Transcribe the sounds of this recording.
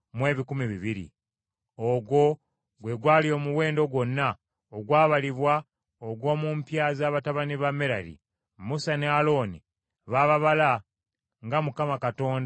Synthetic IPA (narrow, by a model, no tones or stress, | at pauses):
mwe̞ːβikumiβiβiɾḭ | oɡwo̞ | ɡwe̞ɡwaːlio̞ːmuwe̞ːndo̞ɡwo̞nːa | oɡwaːβaliβwa | oɡwo̞ːmumpjaːzaːβataβaniβamːeɾaɾḭ | musanealo̞ːni | βaːβaβala | ŋɡamukamakato̞ːnda